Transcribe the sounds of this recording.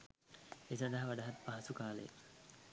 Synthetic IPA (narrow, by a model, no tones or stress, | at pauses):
eːsand̪ɐɦɐʋaɖaɦɐt̪paɦasukaːlḛj̰